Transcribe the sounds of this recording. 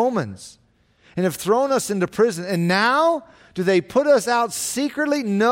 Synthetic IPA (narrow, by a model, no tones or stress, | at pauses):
ʊ̃mɨ̃nz̥ | ɨ̃nɨv̥θɹõʊ̃nʌsɪ̃ntʉpʰɹ̥ɪzɨ̃nɨ̃nːaʊ | d̥ɨðeɪpʰʊɾʌsaʊtsikɹɨtˡlino